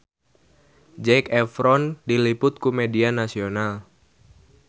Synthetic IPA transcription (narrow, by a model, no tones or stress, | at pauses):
d͡ʒɛkɛfɾɔndilipʊt̪̚kumedianasional